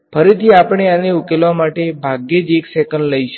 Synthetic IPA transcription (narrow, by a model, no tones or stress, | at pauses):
fəɾit̪ʰiapəɳ̃eaneukelʋamaʈebʱaɡed͡ʒeksekəɳɖləjʃ